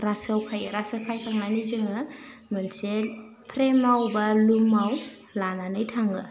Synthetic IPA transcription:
ɾasɯwkʰajɾasɯkʰajtʰaŋnanizɯŋɯ | mɯnse | pʰɾemawbɐlumaw | lananɯjtʰaŋɯ

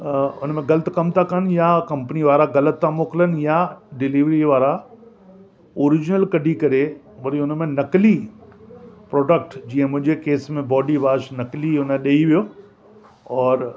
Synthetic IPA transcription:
ʊnəmẽɡɐlət̪kɐmt̪ʰakɐn̆jakɐ̃mpəniʋaːɾaɣɐlət̪ːamoːklənɪ̆jaɖɪliʋɾiʋaːɾa | oːɾɪd͡ʑnəlkɐɖʱikɐɾe | mɐɾiʊnmẽnɐkli | pɾɔːɖək̚ʈd͡ʑiːə̃mʊ̃ɦɪ̃ɲd͡ʑekeːsmẽbɔːɖiʋaːʃnɐkliʊnẽɗɐiʋijoː | ɔːɾ

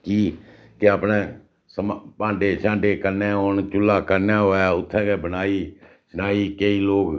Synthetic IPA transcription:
kiː | keapnẽː | səmpãːɖeːʃãːɳɖeːkəɾnẽːont͡ʃʊlːaːkəɾnaːɦoːaːʊt̪ʰːɛ̃ːkeːbənaːiː | sənaːiːkeːiːloːk

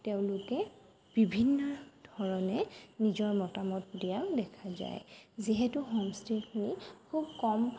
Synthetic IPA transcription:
teʊ̃lʊkɛ | b̥ibʱinːɔdʱɔɹɔnɛnizɔɹmɔtamɔtdijadɛkʰaza̰jziɦɛtʊɦomstikʰinikʰubkɔmʰ

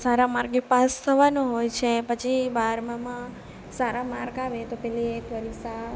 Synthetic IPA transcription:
saɾamaɾɡepast̪ʰəʋanũɦojt͡ʃʰepət͡ʃʰibaɾmãmã | saɾamaɾkaʋet̪opɛliekʋəɾisa

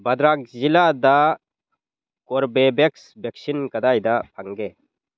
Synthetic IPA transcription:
bɐd̪ɾak̚zilad̪a | kɔɾbebɛksbeksinkɐd̪ajd̪apʰaŋɡe

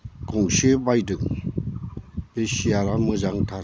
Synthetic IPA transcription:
ɡɔŋsebajdɯŋ | besiaɾamɯd͡ʒaŋtʰaɾ

